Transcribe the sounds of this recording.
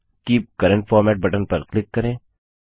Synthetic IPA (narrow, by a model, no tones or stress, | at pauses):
kiːp̚kɐɾə̃ɳʈfɔːɾmɛːʈ̚bɐʈənpɐɾklɪkːɐɾẽː